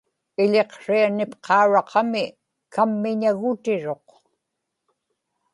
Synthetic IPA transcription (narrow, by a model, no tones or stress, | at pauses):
ɪʎe̞qʂianɪpqʰɑuɻɑqʰɑmɪ | kamːɪɲaɣʊt̪ɪɻo̞q